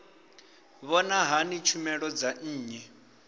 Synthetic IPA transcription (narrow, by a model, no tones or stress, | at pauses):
βɔnaɦanit͡ʃʰumɛɺɔd͡zaːɲɛ